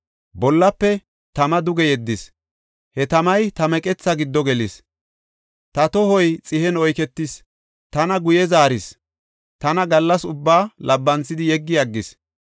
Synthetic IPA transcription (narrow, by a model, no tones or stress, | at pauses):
bɔlːɐpːɛ | t̪ɐmɐd̪ʊɡɛjɛd̪ːɪs | hɛt̪ɐmɐjt̪ɐmɛkʼɛt͡sːɐɡɪd̪ːɔɡɛlɪs | t̪ɐt̪ɔhɔjt͡sʼɪhɛnɔjkɛt̪ːɪs | t̪ɐnɐɡʊjɛzaːɾɪs | t̪ɐnɐɡɐlːɐsʊbːaːlʔɐbːɐnt͡sːɪd̪ɪjɛɡːɪjɐɡːɪs